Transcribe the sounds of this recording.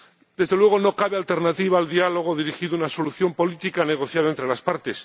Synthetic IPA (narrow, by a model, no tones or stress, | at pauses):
d̪e̞zðelwe̞ɣ̞o̞no̞kaβe̞alt̪e̞ɾnat̪iβaːld̪ialo̞ɣ̞o̞ðiɾixiðunaso̞luθjo̞mpo̞lit̪ikane̞ɣ̞o̞θjaðaent̪ɾe̞laspaɾt̪e̞s